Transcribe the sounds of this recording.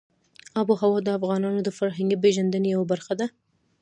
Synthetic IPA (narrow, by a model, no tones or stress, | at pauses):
ɑbohawɑd̪əafɣɑnɑnod̪əfaɾɦaŋɡipeʒand̪ənejawabaɾxad̪a